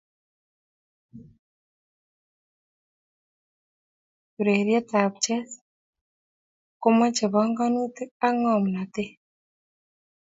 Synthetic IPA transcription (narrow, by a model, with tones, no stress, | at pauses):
u˨ɾe˨ɾjɛ˦ta˨pt͡ʃɛ˦s | ko˦ma˦t͡ʃe˨βɔ˦ŋɡa˦nu˦t̪e˦a˦ŋɔ˨m˨na˨t̪e˦